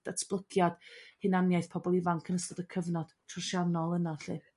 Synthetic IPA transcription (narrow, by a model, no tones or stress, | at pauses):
d̥atsb̥lˠəɡjad̥hɪnanjajθpʰɔbɔlˠivaŋkʰənəstɔdəkʰəvnɔd̥tʰrʊrʃanɔlˠənaɬɨ